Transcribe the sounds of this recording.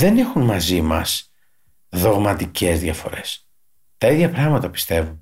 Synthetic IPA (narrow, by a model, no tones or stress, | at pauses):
ðe̞ne̞xunmɐzimɐ̰s | ðo̞ɣmɐt̪ice̞zðʝɐfo̞ɾe̞s | t̪ɐiðʝɐpɾɐɣmɐt̪ɐpi̥st̪e̞vun